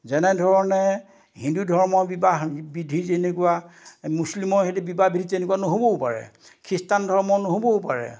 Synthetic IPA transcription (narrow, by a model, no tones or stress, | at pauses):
zɛnɛdʱɔɹɔnɛ | hĩndudʱɔɹmɔbibaɦbidʱizenekuwamuslimɔɦetubibabidʱizenekuwanoɦobɔupaɹɛ̰kʰɹistandʱɔɹmɔnoɦobɔupaɹɛ̰